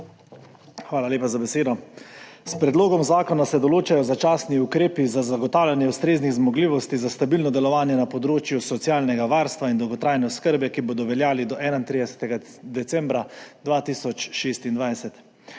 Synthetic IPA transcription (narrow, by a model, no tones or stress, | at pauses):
xʋaːlalʲeːpazabɛseːd̪ɔspɾɛd̪loːɡɔmzaːkɔnasɛd̪ɔloːt͡ʃajɔzat͡ʃaːsniukɾeːpizazaɡɔt̪aːwlʲjanjɛwst̪ɾeːzniɣzmɔɡliːʋɔst̪izast̪abilnɔd̪ɛlɔʋaːnjɛnapɔd̪ɾoːt͡ʃjusɔt̪siaːlnɛɡaʋaːɾst̪ʋaind̪ɔwɡɔt̪ɾajnɛɔskəɾbjɛkiboːd̪ɔʋɛljaːlid̪ɔʔɛːnaint̪ɾid̪ɛsɛ̥t̪ɛɡa | d̪ɛt̪sɛmbɾad̪ʋaːt̪iːsɔt͡ʃʃeːst̪ind̪ʋajsɛt̪